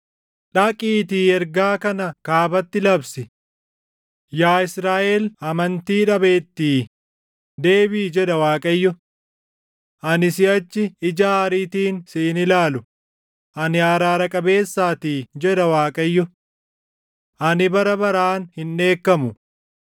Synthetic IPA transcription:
ᶑɐkʼiːt̪iːɛɾɡaːkɐnɐkaːbɐt̪ːɪlɐbsɪ | jaːɪsɾaːʔeːlɐmɐnt̪iːᶑɐbe̞ːt̪ːiː | d̪e̞ːbiːd͡ʒɛᶑɐwaːkʼɐjːʊ | ʔɐnɪsɪɐt͡ʃːɪɪd͡ʒaːɾiːt̪iːnsiːnɪlaːlʊ | ʔɐnɪjaːɾaːɾɐkʼɐbe̞ːsːaːt̪iːd͡ʒɛᶑɐwaːkʼɐjːʊ | ʔɐnɪbɐɾɐbɐɾaːnhɪnːe̞ːkːɐmʊ

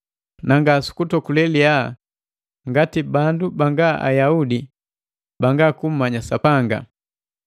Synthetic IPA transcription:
naŋɡasu̥kutɔkulɛlia | ŋɡatibandubaŋɡaʔa̰jaudi | baŋɡakum̩maɲasapaŋɡa̰

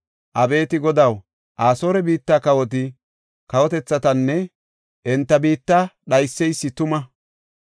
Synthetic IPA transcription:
ʔɐbe̞ːt̪ɪɡɔd̪ɐw | ʔaːso̞ːɾɛbiːt̪ːaːkɐwɔt̪̬ɪ | kɐwɔt̪ɛt͡sːɐt̪ɐnːɛ | ʔɛnt̪ːɐbiːt̪ːaɗɐjsːɛjsːɪt̪ʊmɐ

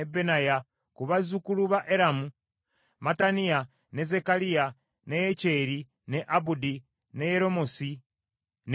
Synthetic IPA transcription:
ebenaja | kuβazukuluβaʔeɾamu | matanija | ne̞zekalija | nejece̞ːɾi | neʔabudi | ne̞jeɾo̞mosi | n

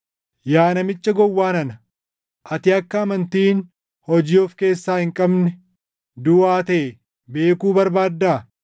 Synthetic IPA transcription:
jaːnɐmɪt͡ʃʼːɐɡɔwːaːnɐnɐ | ʔɐt̪ɪɐkːɐːmɐnt̪iːn | hɔd͡ʒiːɔfke̞ːsːaːhɪŋkʼɐbnɛ | d̪ʊaːt̪ɐʔɛ | be̞ːkuːbɐɾbaːd̪ːaː

